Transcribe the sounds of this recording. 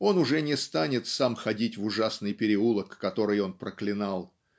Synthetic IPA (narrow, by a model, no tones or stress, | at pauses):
o̞nʊʐɛnʲɪst̪anʲɪt̪samxɐdʲitʲvʊʐasnɨjpʲɪɾʲɪulˠəkːɐt̪o̞ɾɨjo̞npɾəklʲɪnalˠ